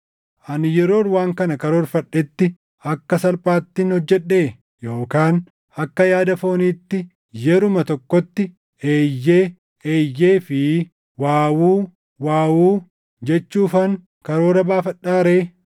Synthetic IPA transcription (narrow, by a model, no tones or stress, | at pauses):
ʔɐnɪjɛɾo̞ːɾwaːŋkɐnɐkɐɾoːɾfɐᶑːɛt̪ːɪ | ɐkːɐsɐlpʼaːt̪ːɪnhɔd͡ʒːɛᶑːe̞ː | jo̞ːkaːn | ɐkːɐjaːd̪ɐfo̞ːniːt̪ːɪ | jɛɾʊmɐt̪ɔkːɔt̪ːɪ | eːjːeː | eːjːeːfɪ | waːwuː | waːwuː | d͡ʒɛt͡ʃːuːfɐŋ | kɐɾo̞ːɾɐbaːfɐᶑːaːɾeː